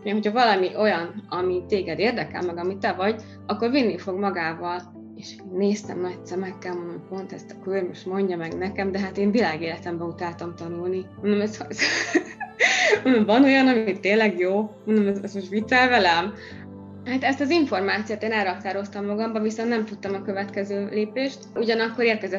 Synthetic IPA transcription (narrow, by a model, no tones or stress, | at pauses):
ɦo̞chɒvɒlɒmiʔo̞jɒnɒmit̪eːɡɛd̪eːrd̪ɛkɛ̰lmɛɡɒmit̪ɛvɒɟ | ɒkːo̞rvinːifo̞ɡmɒɡaːvɒl | eːʃeːnːeːst̪ɛ̰mnɒc̚sɛmɛkːɛlmond̪ompo̞nt̪ɛst̪ɒ̥kørmoʃt̪mo̞ɲɟɒmɛɡnɛkɛmd̪ɛɦat̪eːnvilaːɡeːlɛt̪ɛmbɛut̪aːlt̪omt̪ɒnulni | ond̪omɛzz | onomvɒno̞jɒnɒmit̪ːeːnlɛɡjoːmond̪omɛzɛzmoʃvit̪sɛlvɛlɛm | haːt̪ɛst̪ɒziɱfo̞rmaːt̪sijoːt̪eːnɛlɾɒkt̪aːɾo̞st̪ɒmːɒɡɒmbɒviso̞nnɛmt̪ut̪ːɒmɒkø̞vɛt̪kɛzøːleːpeːʃt̪uɟɒnɒkːo̞ɾeːrkɛzɛt̪